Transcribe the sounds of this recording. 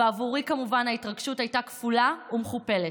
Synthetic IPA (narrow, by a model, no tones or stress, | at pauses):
eavuʁikamuvanhaitʁaɡʃutajtakfulaumeχupe̞le